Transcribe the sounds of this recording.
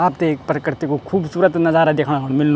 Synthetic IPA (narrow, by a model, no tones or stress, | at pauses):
aːp̚t̪eeːk̚pɾəkɾt̪ikokʰuːbsuːɾət̪nɐd͡ʒaːɾad̪eːkʰɽ̃akoɽ̃mɪlnu